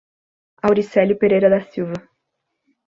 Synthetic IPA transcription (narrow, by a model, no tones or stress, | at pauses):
awɾisɛlʊpeɾejɾɐd̪ɐsiwvɐ